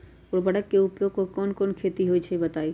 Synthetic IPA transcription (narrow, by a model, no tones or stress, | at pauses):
ʊɽbəɽəkːeʊpjoːɡ̚kokoːnkoːnkʰet̪iɦoit͡ʃʰeibət̪aːi